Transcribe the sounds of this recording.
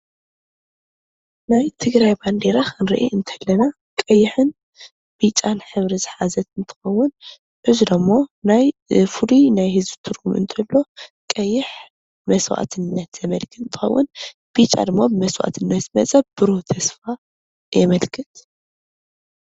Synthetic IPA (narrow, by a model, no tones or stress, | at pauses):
najt̪ʰɨɡɾajband̪eɾakʰɨnɾiʔiʔɨnt̪ʰɐ̥lːɐna | kʼɐjːɪħɨn | b̥it͡ʃʼːanħɨβɾizɨħazɐt̪ɨnt̪ʰɨ̥xɐwːʊn | ʔɨzud̪ɐmːonajfɨlunajhɨzbɨt̪ʰɨɾɡumʔɨ̰nt̪ʰɐlːo̞kʼɐjːɪħ | mɐswa̰t̪ʰɨnːɐt̪z̥ɐmɐlkʰɨɨnt̪ʰɨ̥xɐ̰wːʊn | b̥it͡ʃʼa̰d̪ɨmːabɨmɐswa̰t̪ʰɨnːɐt̪zɨmɐt͡sʼɐb̥ɨɾot̪ʰɐsfa | jɛmɐlkʰɨt̪